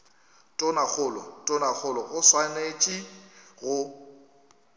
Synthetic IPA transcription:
tʼɔnak͡xʰʊlɔtʼʊnak͡xʰʊlɔɣʊswanet͡ʃʼiɣʊ

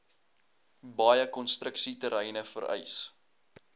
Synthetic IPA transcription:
bɑjəkɔnstrəksitəɾɛjnəfə̰ɾɛ̰js

